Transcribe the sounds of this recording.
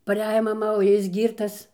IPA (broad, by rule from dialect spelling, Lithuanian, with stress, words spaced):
pɐˈrʲæːjoː mɐˈmɐ oː ˈjɪs ˈɡʲiːrtɐs